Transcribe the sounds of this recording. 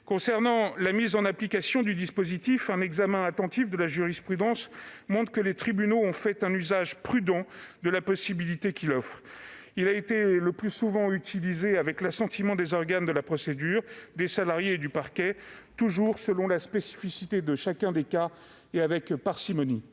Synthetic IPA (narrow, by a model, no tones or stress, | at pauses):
kɔ̃sɛʁnɑ̃lamizɑ̃naplikasjɔ̃d̪yd̪ispozit̪ifɛ̃nɛɡzamɛ̃at̪ɑ̃t̪ifd̪əlaʒyʁispχyd̪ɑ̃smɔ̃t̪χəkəlet̪χibynoɔ̃fɛt̪ɛ̃nyzaʒpχyd̪ɑ̃d̪əlapɔsibilit̪ekʲilɔfχilaet̪eləplysuvɑ̃yt̪ʰilizeavɛklasɑ̃t̪imɑ̃d̪ezɔʁɡand̪əlapχɔsed̪yːʁd̪esalaʁjeːd̪ypaʁkʲɛt̪uʒuʁsəlɔ̃laspesi̥fisit̪ed̪əʃakʲɛ̃d̪eka | eavɛkpaʁsimɔni